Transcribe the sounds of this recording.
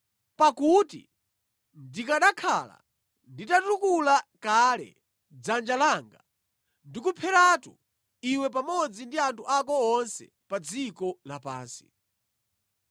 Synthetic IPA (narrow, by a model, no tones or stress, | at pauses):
pakutḭ | ndikaɗakʰala̰ | nditatukulakalɛ̰ | d͡zand͡ʒalaŋɡa | ndikupʰɛɾatu | iwɛp̬amɔd͡zindiantʰuʔakɔːnsɛ̰ | pad͡zikɔlapa̰ːnsi̥